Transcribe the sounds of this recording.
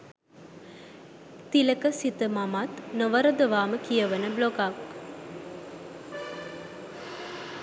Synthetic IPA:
t̪iləkəsit̪əmamat̪nəʋəɾəd̪əʋaːməkijəʋənəbloɡak

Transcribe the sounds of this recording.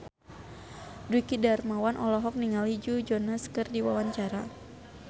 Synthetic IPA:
duikidarmawanʔɔlɔɦɔk̚niŋalid͡ʒud͡ʒɔnaskɨrdiwawaɲt͡ʃaɾa

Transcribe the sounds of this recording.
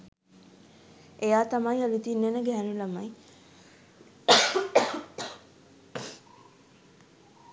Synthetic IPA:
ʔejaːt̪amajalit̪inːenəɡæɦænulamɐj

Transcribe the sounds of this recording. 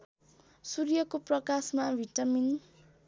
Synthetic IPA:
surjʌkoprʌkasmabʱiʈʌmin

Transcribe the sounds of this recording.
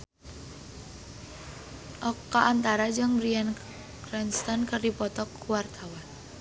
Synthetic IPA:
ʔɔkaʔːnt̪aɾad͡ʒəŋɾian | kɾɛnst̪ankərdipɔt̪ɔkuward̪ʰawan

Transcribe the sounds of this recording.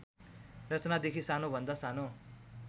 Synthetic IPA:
rʌt͡snad̪ekʰisanobʱʌnd̪asano

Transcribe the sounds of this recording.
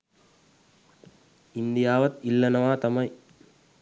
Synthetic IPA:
ind̪ijaːʋɐt̪ilːɐnɐʋaːt̪ɐmɐj

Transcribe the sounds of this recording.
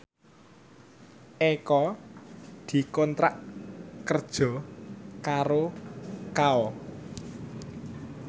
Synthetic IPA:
ʔekɔ | d̪̥i̤kɔnt̪ɾaʔkərd̥ʒ̥ɔ̤kaɾokaɔ

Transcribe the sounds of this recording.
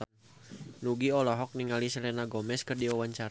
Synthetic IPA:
nuɡiɔlɔɦɔk̚niŋalisəlɛnaɡɔmɛskərdiawaɲt͡ʃaɾ

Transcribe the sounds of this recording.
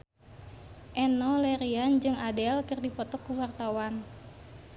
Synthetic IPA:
ʔɛnɔlɛɾiand͡ʒɨŋadɛlkɨrdipɔt̪ɔkːuwart̪awan

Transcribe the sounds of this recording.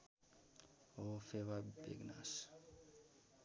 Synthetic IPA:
ɦofewabḛɡna̰s

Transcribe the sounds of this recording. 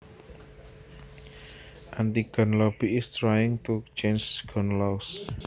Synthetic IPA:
ʔant̪iɡ̥ɔ̤nlɔb̥iɪst̪ɾajɪŋt̪ut͡ʃensɡ̥ɔnlaus

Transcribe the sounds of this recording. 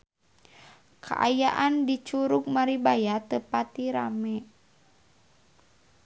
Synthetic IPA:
kʰa̰ʔa̰jaʔandit͡ʃuɾuk̚maɾibajat̪əpat̪iɾa̰mɛ

